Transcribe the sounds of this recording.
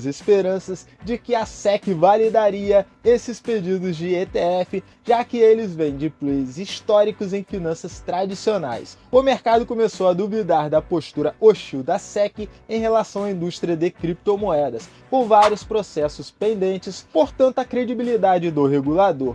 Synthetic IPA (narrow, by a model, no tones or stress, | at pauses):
zespeɾɐ̃sɐz | d͡ʒɪkɪɐsɛkɪvalid̪aɾiɐ | esɪsped͡ʒid̪ʊzd͡ʒɪet̪eɛfɪ | ʒ̥akɪelɪzvẽj̃d͡ʒɪplezist̪ɔɾikʊzẽj̃finɐ̃sɐst̪ɾad͡ʒisiona̰jsʊmeɾkad̪ʊkomesowɐd̪uvid̪aɾd̪ɐpoʃt̪uɾɐoʃiwd̪ɐsɛkɪẽj̃ɦelasɐ̃w̃ɐĩnd̪uʃt̪ɾiɐd̪ɪkɾip̚t̪omoɛd̪ɐs | kõvaɾiʊspɾosɛsʊspẽnd̪ẽnt͡ʃɪspoɾt̪ɐ̃nt̪ʊɐkɾed͡ʒibilid̪ad͡ʒɪd̪ʊɦeɡulad̪oɾ